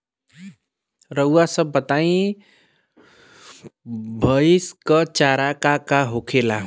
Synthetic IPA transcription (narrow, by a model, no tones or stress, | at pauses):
ɾəuasəbət̪aĩ | bʱəiskʌt͡ʃaɾakakaɦokʰela